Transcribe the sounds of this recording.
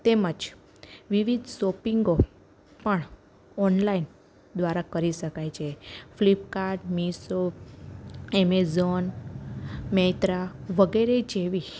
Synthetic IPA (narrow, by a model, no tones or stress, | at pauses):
t̪eməd͡ʒ | ʋiʋid̪ʱsopiŋɡo | pəɳ | ɔnlain | d̪ʋaɾakəɾiɕəkajt͡ɕʰeflip̚kaɾɖmiso | emezon | met̪ɾaʋəɡəɾed͡ʑeʋi